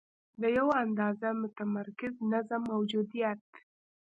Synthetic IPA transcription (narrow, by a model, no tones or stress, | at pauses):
d̪əjawaand̪ɑzamʊt̪amaɾkɪznazamːawd͡ʒud̪ijat̪